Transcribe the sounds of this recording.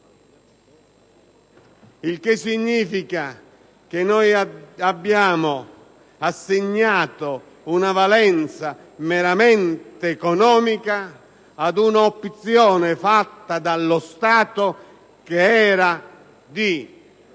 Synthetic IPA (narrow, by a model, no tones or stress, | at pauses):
ilk̟ɪsːiɲːiːfika | k̟ɪnːɔjabːjaːmʊ | asːɪɲːaːt̪o | unavalɛnt̪sa | mɛɾamɛnt̪ɪːkɔnɔːmikaː | d̪unaopːt̪sjɔːnɪfat̪ːad̪alːʊst̪aːt̪o | keɛːɾa | d̪i